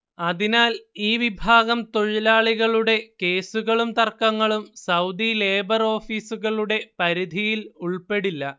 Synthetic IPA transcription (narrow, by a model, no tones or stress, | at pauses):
ɐðinaːliːʋibʱaːɣɐmt̪o̞ɻilaːɭiɣɐɭuɽe̞ke̞ːsuɣɐɭumt̪ɐrkːɐŋːɐɭumsɐwd̪ile̞ːbɐro̞ːfiːsuɣɐɭuɽe̞pɐɾid̪ʱijiluɭpe̞ɽilːɐ